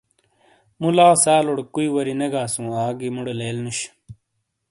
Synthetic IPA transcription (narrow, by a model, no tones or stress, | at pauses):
mulaːsaːloɽkuiwɐɾinɐɡaːsũːaːɡimuɽeleːlnuɕ